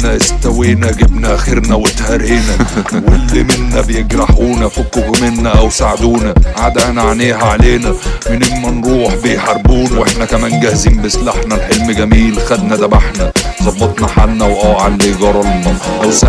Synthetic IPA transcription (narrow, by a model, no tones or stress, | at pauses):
næʔɪst̪æwiːnæɡɪbnæʔæxeɾnæwet̪hæɾeːnæwelːimɪnːæbejeɡɾɑħuːnæfokːoɡmɪnːæʔæwsaʕd̪uːnæʕaːd̪ʔænæʕaneːɦæʕaleːnæmɪnemːænɾˤuːħbejħɑɾˤbuːnæwʔeħnækæmæːnɡæhziːmbeslaħnælħelmɡæmiːlxæd̪næd̪æbaħnæzˤɑbːɑt̪ˤnɑħalnæwʔæːʕalːiːɡɑɾˤɑlnɑʔ